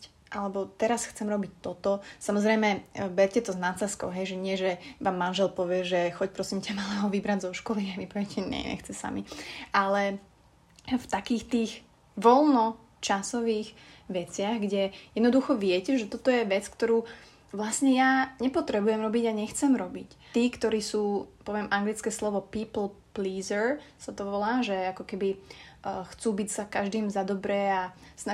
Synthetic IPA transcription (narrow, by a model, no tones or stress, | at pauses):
ʔalɛbɔt̪ɛɾasxt͡sɛmɾɔbic̚t̪ːɔt̪ɔsamɔzɾɛjmɛbɛɾcɛt̪ɔznat͡sɛskɔʊɦɛjʒɛɲɪɛʒɛʋaːmːanʒɛlpɔʋɪɛʒɛxɔcpɾɔsimcɛmalɛɦɔʋibɾaɟzɔʃkɔliaʋipɔʋɛcɛɲɛ̰ɲɛ̰xt͡sɛsa̰miʔalɛ | ft̪akiːxt̪iːɣ | ʋɔlnɔ | t͡ʃasɔʋiːɣʋɛt͡sɪaɣɡɟɛjɛd̪nɔd̪uxɔʋɪɛcɛʒɛt̪ɔt̪ɔjɛʋɛt͡skt̪ɔɾuː | ʋlasɲɛjaɲɛpɔt̪ɾɛbujɛmɾɔbiɟaɲɛxt͡sɛmɾɔbic | t̪iːkt̪ɔɾiːsuːpɔʋɪɛmʔaŋɡlit͡skɛːslɔʋɔpiːpl̩ˠpliːzəɹsat̪ɔʋɔlaːʒɛakɔkɛbi | xt͡suːbicsakaʒd̪iːmzad̪ɔbɾɛasna